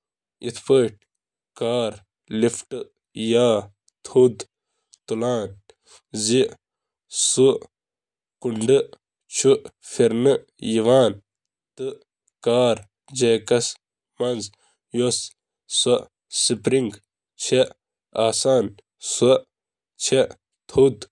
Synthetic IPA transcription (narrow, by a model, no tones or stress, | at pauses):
it̪ʰpəːʈ̚ | kaːɾ | lifʈɨ | jaː | t̪ʰud̪ | t̪ulaːn | zi | su | kuɳɖɨ | t͡ʃʰu | fiɾnɨ | jiʋaːn | t̪ɨ | kaːɾ | d͡ʒekɐs | mɐnz | jos | sɐ | sipɾiŋɡ | t͡ʃʰe | aːsaːn | sɐ | t͡ʃʰe | t̪ʰud̪